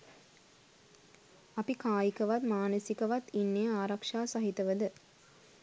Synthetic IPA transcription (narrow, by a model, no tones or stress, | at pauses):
ɐpikaːjikəʋat̪maːnəsikəʋat̪inːejəaːɾakʂaːsɐɦit̪əʋəd̪ə